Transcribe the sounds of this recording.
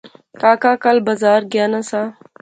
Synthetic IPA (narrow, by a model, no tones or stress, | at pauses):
kaːkaːkɐlbɐzaːɾɡjaːnasaː